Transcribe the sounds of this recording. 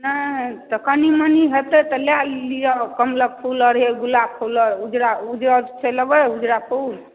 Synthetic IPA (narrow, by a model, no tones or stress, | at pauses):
nat̪əkʰəniməniɦet̪et̪ɔlalːijɔkəmləɡ̚pʰuləɾɦeɡulapʰuləɾud͡ʒɾaud͡ʒɾət͡ʃeləbəud͡ʒɾapʰul